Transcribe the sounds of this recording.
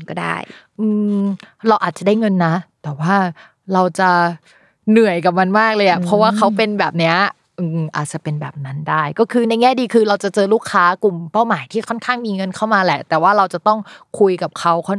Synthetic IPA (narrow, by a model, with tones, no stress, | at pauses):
kɔ˥˩da̰˥˩j | ʔɯː˧ɾa˧wʔaː˨˩t̪̚t͡ɕa˨˩da˥˩jŋɤ˧nːa˦˥t̪ɛː˨˩waː˥˩ | ɾa˧wt͡ɕa˨˩ | nɯ˨˩əjka˨˩p̚ma˧nmaː˥˩k̚lɤː˧ja˨˩pʰɾɔ˦˥waː˥˩kʰa˦˥wpe˧nbɛː˨˩p̚ni˦˥ɐ | ʔɯː˧ʔa̰ː˨˩t̪̚t͡ɕa˨˩pe˧nbɛ̰ː˨˩p̚na˦˥ndaː˥˩jkɔː˥˩kʰɯː˧na˧jŋɛː˥˩diː˧kʰɯː˧ɾa˧wt͡ɕa˨˩t͡ɕɤː˧luː˥˩kʰːaː˦˥ku˨˩mpa˥˩wmaː˩˦jt̪ʰiː˥˩kʰɔ˥˩nkʰaː˥˩ŋmiː˧ŋɤ˧nkʰa˥˩wmaː˧lɛ˨˩t̪ɛː˨˩waː˥˩ɾa˧wt͡ɕa˨˩t̪ɔ˥˩ŋkʰu˧jka˨˩p̚kʰa˦˥wkʰɔ˥˩